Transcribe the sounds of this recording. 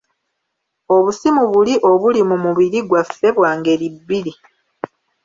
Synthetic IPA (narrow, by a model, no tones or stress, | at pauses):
o̞βusimuβuliʔo̞βulimumuβiɾiɡwafːe̞βwaːŋɡe̞libːiɾi